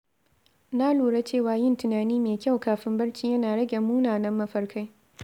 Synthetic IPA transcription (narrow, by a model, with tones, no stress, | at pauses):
naː˦luː˨ɽe˦t͡ʃeː˦˨waː˨jɪ˦˨ntʊ˨naː˨niː˦meː˨kʲa˦˨wkaː˨ɸɪ˦mbɐ˦ɽt͡ʃiː˦jɐ˦naː˨ɽɐ˦ɡʲe˨mːuː˦naː˨nɐ˦mːɐ˦ɸɐ˦ɽkʰa˦j